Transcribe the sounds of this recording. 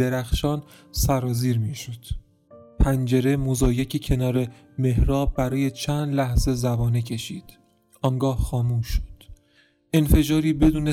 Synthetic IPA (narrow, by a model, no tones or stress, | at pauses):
eɾæxʃɒːnsæɾɒːziːɾmiːʃod̪̥ | pʰænd͡ʒe̞ɾe̞mozɒːjecʰicʰe̞nɒːɾe̞ | me̞ɦɾɒːbbæɾɒːje̞t͡ʃʰæːnd̪læhz̥e̞zæbɒːnecʰe̞ʃiːd̪̥ | ʔɒŋɡɒːhxɒːmuːʃːo̥d̪̥ | ʔenfe̞d͡ʒɒːɾiːbe̞d̪uːne